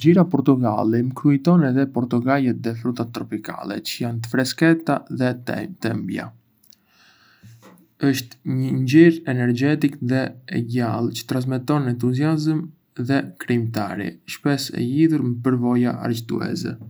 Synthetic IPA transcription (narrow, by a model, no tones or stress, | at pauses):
ɟiɾapɔɾt̪uɡa̰liməkɾujt̪ɔnɛðɛpɔɾt̪uɡajɛt̪̚d̪ɛfɾut̪at̪ːɾɔpika̰lɛ̰t͡ʃəjant̪ə̥fɾɛskɛt̪aðɛt̪ɛmbja̰ | əʃt̪ɲəɲɟiɾɛnɛɾd͡ʒɛt̪ikðɛɛɟalˠt͡ʃə̥t̪ɾans̬mɛt̪ɔnɛnt̪̬uziazəm | ðɛkɾimt̪a̰ɾḭʃpɛsɛ̰liðuɾməpəɾvɔjaa̰ɾt͡ʃt̪ṵɛ̰sɛ̰